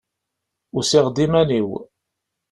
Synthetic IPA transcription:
ʊɾsɪʁd̪imæniw

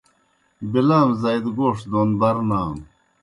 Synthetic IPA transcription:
bilaːmzajd̪ɡoːʂd̪oːnbɐɾnaːm

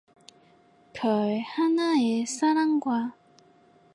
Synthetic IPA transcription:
kʰʌɭhanaesʰaɾaŋɡwa

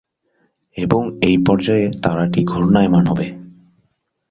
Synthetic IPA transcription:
eboŋejpɔɾd͡ʑɔet̪aɾaʈiɡʱoɾnaemanɦɔbe

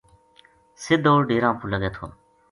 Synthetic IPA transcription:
sɪd̪oːɾɖeːɾãːpʰuləɡeːt̪ʰo̰ː

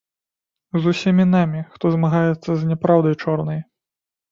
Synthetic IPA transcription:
zusʲimʲinamʲixt̪ɔzmaɣajɛt̪sːɐzʲnʲɛpɾawd̪ɐjt͡ʂɔrnɐj

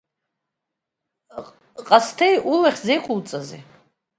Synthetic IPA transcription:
qʼastʰejʔulaχʲzejqʷʼʊlt͡sʼazḭ

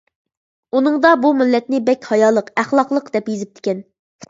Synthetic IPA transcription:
unɨŋd̪ɑbumɪlːɛt̪nɪbɛkʲhɑjɑːlˠəqæχlˠɑqlˠəqd̪ɛpjezɪp̚t̪ʰɪ̥kʲɛn

